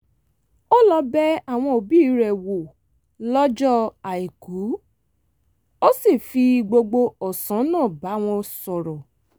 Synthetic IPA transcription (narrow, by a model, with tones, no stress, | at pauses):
o˦lɔ˧bɛ˦a˦˨w̃ɔ̃˧o˨bi˦ɾɛ˨wo˨ | lɔ˦d͡ʒɔ˦a˨i˨ku˨˦ | o˦si˦˨fi˧ɡ͡bo˧ɡ͡bo˧ɔ˨sã˨˦nãː˦˨ba˨˦w̃ɔ̃˧sɔ˨ɾɔ˨